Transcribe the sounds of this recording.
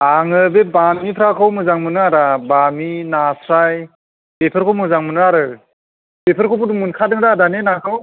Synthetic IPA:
aŋɯbebamipʰɾakʰɯwmɯzaŋmɯnɯaɾabaminasʰɾaj | bepʰɯɾkʰɯwmɯzaŋmɯnɯaɾɯ | bepʰɯɾkʰowpʰuwduŋmunkʰadɯŋdadanenakʰɯw

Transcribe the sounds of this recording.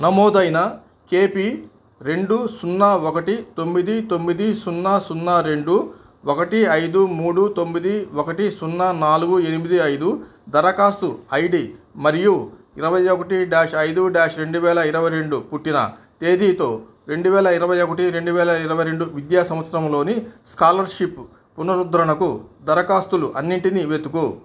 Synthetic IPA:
nɐmɔːd̪ɐjnɐ | ke̞ːpi | ɾe̞ɳɖusunːaːɔkɐʈit̪omːid̪it̪o̞mːid̪isunːasunːaɾe̞ɳɖu | ɔkɐʈiɐjd̪umuːɽut̪o̞mːid̪iɔkɐʈisunːanaːluɡue̞nimid̪iɐjd̪u | d̪ɐɾɐkaːst̪uɐjɖimɐɾiju | iɾɐʋɐjokɐʈiɖaːʂɐjd̪uɖaːʂɾe̞ɳɖuʋɛːlɐiɾɐʋɐjɾe̞ɳɖupuʈːinɐ̰ | t̪e̞ːd̪iːt̪o̞ː | ɾe̞ɳɖuʋɛːlɐiɾɐʋɐjokɐʈiɾe̞ɳɖuʋɛːlɐiɾɐʋɐjɾe̞ɳɖuʋid̪jaːsɐmʋɐt̪sɐɾɐmlo̞ːniskaːlɐɾʂipː | unɐɾud̪ɾɐɳɐkud̪ɐɾɐkaːst̪uluʔɐnːiɳʈiniʋet̪uku

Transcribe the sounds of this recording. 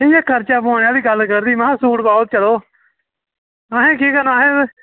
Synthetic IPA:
ejãːkʰəɾt͡ʃaːpoːnjãːd̪iːɡəlkəɾd̪iːmãsuːʈbaːt̪̚t͡ʃəloː | aːɦẽːkiːkənãːɦẽː

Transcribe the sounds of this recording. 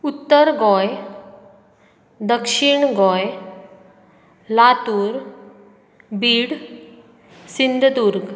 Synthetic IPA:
ut̪ːəɾɡɔj | d̪əkʂiɳɡɔj | lat̪uːɾ | biːɽ | sind̪ʱd̪uɾɡ

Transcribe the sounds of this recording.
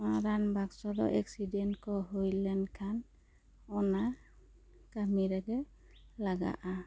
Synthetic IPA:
aɾanbaksɔdɔ̰ʔɛksidɛntkɔɦojlɛnkʰan | ɔna | kamiɾaɡɛ | laɡa̰ʔa

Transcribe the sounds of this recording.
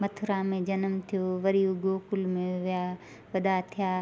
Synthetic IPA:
mɐt̪ʰʊɾaːmẽd͡ʒɐnəmt̪ʰijoːʋɐɾijoɡoːkʊlmẽʋja | ʋɐd̪at̪ʰijaː

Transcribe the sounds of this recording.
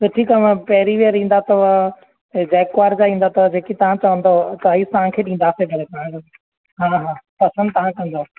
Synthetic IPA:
ɐʈʰikaãpɐɦɪɾiʋieɾĩːn̆d̪at̪ɐʋa | d͡ʑɛːkʊʋaːɾd͡ʑaĩːnd̪at̪ɐʋɐd͡ʑeːkit̪ɐʋ̤ãt͡ɕɐʋə̃nd̪ot̪ɐit̪ɐɦãkʰeːɗĩːn̆d̪asebʱɐɽet̪ɐãk | ɦaːɦãːpɐsə̃nd̪̚t̪ɐʋ̤ãkɐ̃nd̪o

